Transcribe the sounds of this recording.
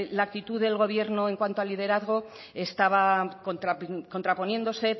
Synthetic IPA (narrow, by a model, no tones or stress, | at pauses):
laːk̚t̪it̪uðe̞lɣ̞o̞β̞je̞ɾnoe̞ŋkwant̪oalið̞e̞ɾaðɣ̞o | est̪aβ̞akont̪ɾako̞nt̪ɾapo̞nje̞nd̪o̞se̞